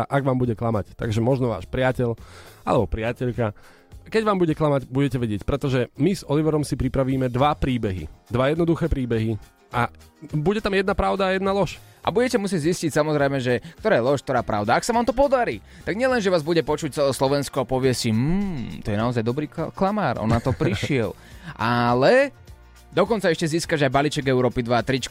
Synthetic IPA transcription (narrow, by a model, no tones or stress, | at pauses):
ʔaɡʋaːmbuɟɛklamact̪a̰ɡʒɛmɔʒnɔʋa̰ːʃpɾɪacɛʎʔa̰lɛbɔpɾɪacɛʎka | kɛɟʋaːmbuɟɛklamaɟbuɟɛcɛʋɛɟɪɛcpɾɛt̪ɔʒɛmizɔliʋɛɾɔmsipɾipɾaʋiːmɛd̪ʋapɾiːbɛɦḭd̪ʋajɛd̪nɔd̪uxɛːpɾiːbɛɦi | ʔabuɟɛt̪amjɛd̪napɾaʊd̪aːjɛd̪nalɔʃʔa̰buɟɛcɛmus̬ɪɛɟziscicsamɔzɾɛjmɛʒɛkt̪ɔɾaːjɛlɔʃk̚t̪ɔɾaːpɾa̰ʊd̪aaksaʋaːmt̪ɔpɔd̪aɾḭː | t̪aɡɲɪɛlɛnʒɛʋaːzbuɟɛpɔt͡ʃuc̚t͡sɛlɛːslɔʋɛnskɔapɔʋɪɛsim̩ːt̪ɔjɛnaɔzajd̪ɔbɾiːklamaːɾʔɔ̰nnat̪ɔpɾiʃɪɛl | ʔalɛ | d̪ɔkɔnt͡saɛʃcɛziːskad͡ʒajbaliːt͡ʃɛɡɛʊɾɔːpid̪ʋaːt̪ɾit͡ʃ